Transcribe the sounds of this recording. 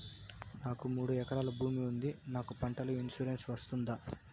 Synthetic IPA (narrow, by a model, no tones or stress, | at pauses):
naːkumuːɽuɛkɐɾaːlɐbʱuːmiund̪inaːkupɐɳʈɐluinsuɾensʋɐst̪und̪a